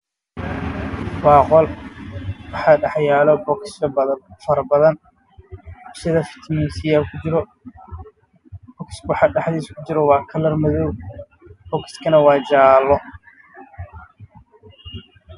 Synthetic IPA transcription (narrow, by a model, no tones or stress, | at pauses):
wɑːqɔl | wɑħɑːɖɑħjaːlɔbɔksɐbfɐɾɐbɐðɐn | ʊsɪðɐfɪ̥t̪ʰmisɪjaːlkʰʊt͡ʃɪɾɔ | bɔkʰɪ̥swɑħɑːɖɑħðiːskʰʊt͡ʃɪɾɔwɑːkʰɐlɐrmɐðɔw | b̥ɔkɪ̥skʰɐnɐwɑːd͡ʒaːlːɔ